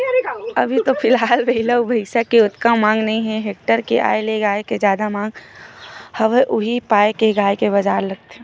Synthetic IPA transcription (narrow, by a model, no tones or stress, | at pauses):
ɐbʱit̪opʰɪlɦaːlbɐɦɪləwbʱɐɪsakiʊt̪kamãːŋɡnɐɦĩɦɛ̃ɦeːk̚ʈəɾkeʔa̰ːeleɡaːeked͡ʒjaːd̪amãːŋɡ | hɐʋeʔʊɦipaːekeɡaːjkebɐd͡ʒaːɾlɐɡ̚t̪eɦɛ̃